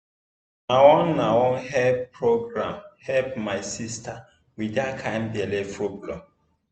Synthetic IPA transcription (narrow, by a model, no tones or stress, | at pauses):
nawɔ̃nːawɔ̃nɦɛlppːɹoɡɾãmhɛlpmajsista | widakʰãjmbiɛlefɹoblɔ̰